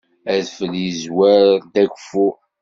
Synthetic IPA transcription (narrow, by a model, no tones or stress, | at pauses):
æðfəljəzwæɾd̪ækʷfu